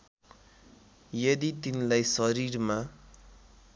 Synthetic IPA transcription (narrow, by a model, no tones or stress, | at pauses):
jʌd̪it̪inilajsʌɾirma